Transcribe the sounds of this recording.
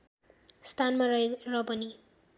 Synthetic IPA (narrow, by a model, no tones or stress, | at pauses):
st̪ʰanmarʌerʌbʌni